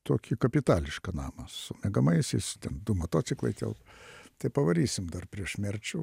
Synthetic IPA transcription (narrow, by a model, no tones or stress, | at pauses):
t̪oːkʲɪkɐpʲɪt̪ɑːlʲɪʃkɐnɑːmɐsʊmʲɛɡɐmɐɪsʲɛɪst̪ʲɛnd̪ʊmot̪oːt͡s̪ʲsʲɪklˠɐ̰ɪt̪ʲɛ̰lˠpt̪ɐɪpɐʋɐɾʲiːsʲɪmd̪ɐrpʲɾʲiɛʃmʲɛrʲt͡ʃʲʊ